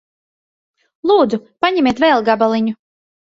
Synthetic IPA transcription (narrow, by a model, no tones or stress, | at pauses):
lˠuːd̪zupaɲɛmʲeːt̪vɛlˠɡabalˠiɲu